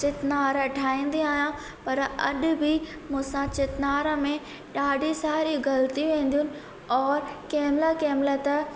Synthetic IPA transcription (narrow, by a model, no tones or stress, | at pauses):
t͡ɕɪt̪naːɾʈʰaːĩːn̆d̪iaːɦijã | pɐɾɐɗbʱɪ | mũːsãt͡ɕɪt̪naːɾəmẽ | ɗaːɖʱisaːɾiɡɐlt̪iʋẽːn̆d̪ijʊnɪ̆ | ɔːɾkɛːmlakɛːmlət̪ə